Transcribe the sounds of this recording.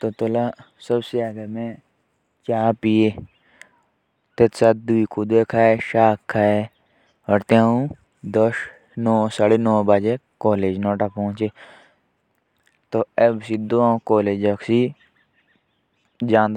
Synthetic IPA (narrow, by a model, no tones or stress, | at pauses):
t̪ot̪ola | səbseaːɡemẽ | t͡ʃaːpieː | t̪et̪sat̪̚d̪uikʰud̪eːkʰaːeʃaːkʰːaːe | əɾt̪eãːũ | d̪oʃ | nɔːsaːɽenɔːbaːd͡ʒekoːleːd͡ʒnoːʈapɔ̃ːt͡ʃeː | t̪oebsid̪oãkoːleːd͡ʒɐksiː | d͡ʒãːnd̪